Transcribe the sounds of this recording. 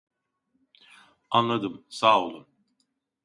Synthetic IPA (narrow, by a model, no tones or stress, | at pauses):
anlˠad̪ɯmsaːolˠun